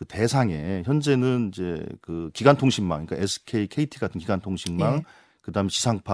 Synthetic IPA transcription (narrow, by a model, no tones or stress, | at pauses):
kɯte̞sʰaŋe̞çjʌnd͡ʑe̞nɯnid͡ʑe̞̰kɯkiɡwantʰoŋɕʰimːa̰ŋik͈a̰esʰɯ̥kʰeikʰe̞itʰiɡatʰɯnkiɡwantʰoŋɕʰimmːan | kɯdaɦɯmeɕʰi̥sʰaŋpʰa